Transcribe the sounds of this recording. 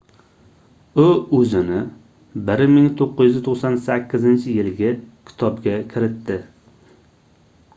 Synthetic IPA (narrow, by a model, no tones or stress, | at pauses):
ʊɵzɪnɪ | bɪɾmɪŋt̪ʰoqːɪjyɪzɪt̪ʰoχsɒnsakʲʰːɪzɪnt͡ʃʰɪjɪlɡʲɪkʲʰɪ̥t̪ʰɒbɡʲakʲʰɪɾɪt̪ːɪ